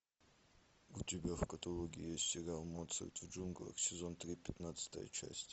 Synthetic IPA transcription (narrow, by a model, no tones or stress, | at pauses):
ut̪ʲibʲafkɐt̪ɐlˠɔɡʲijesʲt̪ʲsʲɛɾʲalˠmɔt̪sʰɛ̰rt̪ʼvd͡ʒunɡlə̰ksʲɛzɔnt̪ɾʲipʲɛt̪nat̪sə̥t̪ɐ̰jə̰t͡ʃʰa̰sʲtʲ